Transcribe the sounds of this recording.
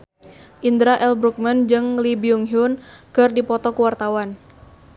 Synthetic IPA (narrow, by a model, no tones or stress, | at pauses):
ʔind̪ɾaʔɛlbɾuk̚mand͡ʒɨŋlibiuŋɦiʊnkɨrdipɔt̪ɔkuwart̪awan